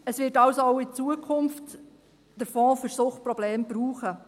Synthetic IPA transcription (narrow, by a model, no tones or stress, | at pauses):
əsʋɪːtɑwsoɔʊɪt͡suəkʰʊmft | d̥əfɔ̃ːfyɾsʊχt̚pɾɔbleːmb̥ɾuːχə